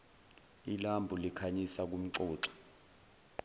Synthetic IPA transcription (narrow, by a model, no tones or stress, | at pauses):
ilambʱulikʰaɲisak̬um̩ǀɔːǁɔ̥